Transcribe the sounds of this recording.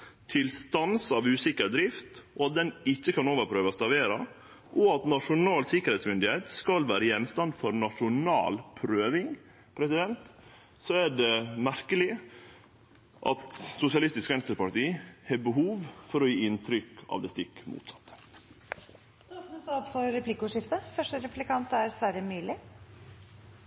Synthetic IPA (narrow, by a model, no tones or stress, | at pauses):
t̪ʰɪlst̪ɑnsɑʋʉːsɪkːəɾd̪ɾɪft̪ɔɑt̪̚d̪ɛnɪçːəkʰɑnoːʋəɾpʰɾøːʋəst̪ɑʋeːɾɑ | ʔɔɑt̪nɑʂʊnɑːlsɪkːəɾhɛɪt̪smʏnd̪ɪheːt̪skɑlʋæːɾəjɛnːst̪ɑnd̪fɔɾnɑʂʊnɑ̰ːlpʰɾøːʋɪŋ | pʰɾɛsɪd̪ɛnt̪ | sɔæɖɛmæɾkəlɪ | ʔɑ̰t̪sʊsɪɑlɪst̪ɪskʋɛnst̪əɾpɑʈiːhɛbəɦuːʋfɔɾɔjiːɪnt̪ʰɾʏkɑ̰ːʋd̪ɛːst̪ɪkːmṵːt̪sɑt̪ː | t̪oːpnəst̪oɔpfɔɾɾɛplɪkʊʂɪft̪əfœʂʈəɾɛplɪkɑnt̪æɾsʋæɾəmyːlɪ